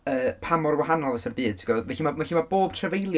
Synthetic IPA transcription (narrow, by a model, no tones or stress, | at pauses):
əːpʰamɔrwaɦanɔlˠvɛsərbɨːd̥̚tʰə̥ɡwɛvɛɬimamɛɬimaboːb̥̚tʰrəvejlˠj